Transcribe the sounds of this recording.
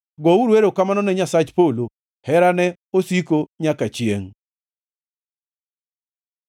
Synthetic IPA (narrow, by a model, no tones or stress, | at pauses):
ɡɔuɾweɾokamanɔnɛɲasat͡ʃpolo | hɛɾanɛ | osikoɲakat͡ʃjeŋ